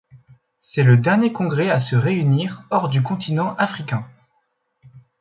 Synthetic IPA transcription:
sɛləd̪ɛʁnjekɔ̃ɡʁɛasəʁeyniʁɔʁd̪ykɔ̃t̪ʰinɑ̃ʔafχikʲɛ̃

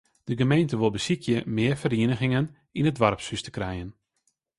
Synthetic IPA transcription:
d̥əɡəmejntəʋolˠbəsikʰjəmɪːərfəriənəɣɪŋən | inədʋarpsystə̥krɛjən

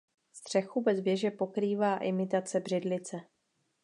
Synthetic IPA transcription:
st̪r̝̥ɛxubɛzvjɛʒɛpo̞kɾiːvaːʔɪmɪt̪at͡sɛbr̝ɪdlɪt͡sɛ

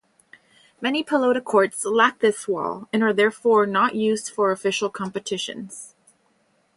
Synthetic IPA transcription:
mɛnipʰəloʊɾɨkʰɔɹtslæk̚ðɪswɔ̰lˠɨ̃nə˞ðɛɹfɔɹnəʔjʉzd̥fə˞ɨfɪʃl̩ˠkʰɑ̃mpɨtʰɪʃɨ̰̃nz̥

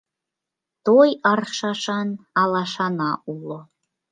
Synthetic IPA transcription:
t̪ojɑrʃɑʃɑnɑlɑʃɑnɑʔulo

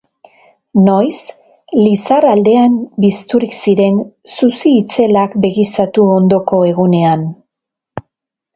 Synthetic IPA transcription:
no̞js | lisarald̪e̞ambist̪uɾiksiɾe̞nsusiːt͡se̞lakbe̞ɣisat̪uo̞nd̪o̞ko̞e̞ɣune̞an

